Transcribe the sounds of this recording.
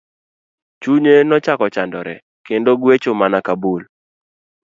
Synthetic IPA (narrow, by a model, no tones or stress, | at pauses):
t͡ʃuɲenɔt͡ʃakɔt͡ʃandɔɾɛ̰ | kendoɡwet͡ʃomanakabul